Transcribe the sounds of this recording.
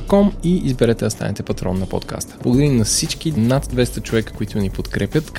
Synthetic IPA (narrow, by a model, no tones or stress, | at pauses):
kɔmiizbɛɾɛt̪ɛd̪ɐst̪a̰nɛt̪ɛpɐt̪ɾɔ̰nːɐpo̰t̪ka̰st̪ə̥b̥lˠɐɡʊd̪əɾinɐsit͡ʃk̟inad̪d̪vɛst̪ət͡ʃovɛkə̥koit̪ʊnipot̪kɾɛpʲjət̪k